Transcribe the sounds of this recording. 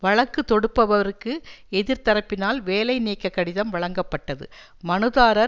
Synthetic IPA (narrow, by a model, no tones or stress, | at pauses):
ʋɐɻɐkːɯt̪ːɔɽɯpːɐʋɐʋɐɾɯkːɯɛðɪɾt̪ɐɾɐpːɪnaːlʋeːlɐɪniːkːɐkːɐɽɪðɐmʋɐɭɐŋɡɐpːɐʈːɐðɯ̰ | mɐnɯðaːɾɐɾ